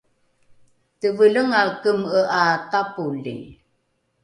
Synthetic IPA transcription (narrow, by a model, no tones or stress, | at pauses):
təvələŋakəməʔatapulḭ